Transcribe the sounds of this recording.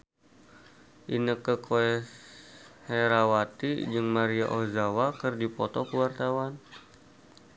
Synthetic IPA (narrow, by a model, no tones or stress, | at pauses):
ʔinəkəkʰoɛ | hɛɾawat̪id͡ʒɨŋmaɾia̰ʔozawakɨrdipɔt̪ɔkəwart̪awan